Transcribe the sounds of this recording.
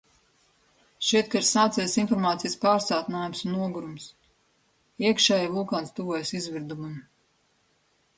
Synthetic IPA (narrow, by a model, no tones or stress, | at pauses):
ʃɛjt̪̚kaiɾsaːt̪sɛjasinfɔɾmaːt̪sijspaːɾsaːt̪naːjumsunːuɔɡuɾums | iɛkʃɛːjivulˠkaːnst̪uvuɔjsizviɾd̪umum